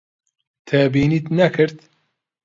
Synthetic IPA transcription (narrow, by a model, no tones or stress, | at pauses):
t̪ʰɛbiːnit̪nɐkʰɨɾt̪